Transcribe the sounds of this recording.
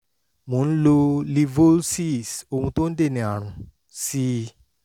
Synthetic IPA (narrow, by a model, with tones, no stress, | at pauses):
mũ˨n̩˦lo˧li˧vo˦lsi˦˨so˧mũ˧˦t̪õ˦n˦de˦˨nẽ˨a˨ɾ̃ũ˨ | si˧